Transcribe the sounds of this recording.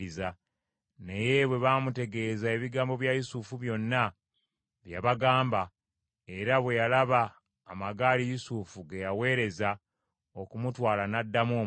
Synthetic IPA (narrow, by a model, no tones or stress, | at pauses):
iza | nejeβwe̞βamute̞ɡe̞ːzae̞βiɡaːmbo̞βjajusufuβjo̞nːa | βjaβaɡaːmba | e̞ɾaβwe̞jalaβaː | maɡaːlijusufuɡejawe̞ːɾe̞za | o̞kumutwaːlanadːamoː